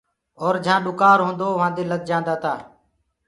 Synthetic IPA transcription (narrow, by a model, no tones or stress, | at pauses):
oːɾd͡ʒʱãːɗʊkaːɾɦõːnd̪oːʋãːnd̪eːləɡ̪̚d͡ʒãːnd̪aːt̪ʰaː